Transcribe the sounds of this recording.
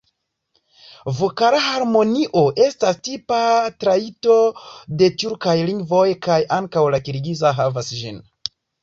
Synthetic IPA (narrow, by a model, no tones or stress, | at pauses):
vokaɾahaɾmo̞niʔo̞ʔe̞stastipatɾaito̞de̞tuɾkajliŋɡvo̞jkajʔaŋkawlakiɾɡizaɦavasd͡ʒin